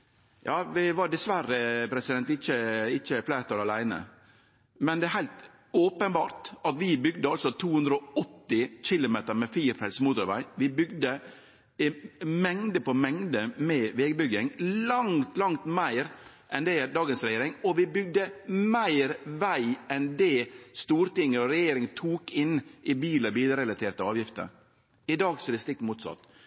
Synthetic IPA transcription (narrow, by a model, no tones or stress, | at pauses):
jɑːʋɪʋɑɖɛsʋæɾəpʰɾɛsɪd̪ɛnt̪ɪçəɪçəflæɪɾt̪ʰɑːlɑlæɪnə̰ | mɛnd̪ɛæɦæɪlt̪ | oːpənbɑ̰ːɾt̪ɑt̪ʋɪbʏɡd̪əɑlsɔt̪ʰuːhʉnd̪ɾəɔɔt̪ːɪçɪlʊmeːt̪əɾmɛfiːɾfɛlsmuːt̪ʊɾʋæ̰ɪʋɪbʏɡd̪ə | mɛŋd̪əpɔmɛŋd̪əmɛʋɛːɡbʏɡɪŋlɑŋt̪lɑŋt̪mæɪɾ | ʔɛnd̪ɛd̪ɑːɡənsɾɛjeːɾɪŋɔʋɪbʏɡ̚d̪əmæɪɾʋæɪɛnd̪ɛːst̪uːɾt̪ɪŋːəɾɔɾɛjeːɾɪŋt̪ʰuːkɪnʔɪbiːləɾbiːləɾɛlɑt̪ʰeːɾʈ̪əɑːʋjɪft̪ə̰ɾ | ɪd̪ɑːɡsɔɛd̪ɛst̪ɪk̚t̪muːt̪sɑ̰t̪ː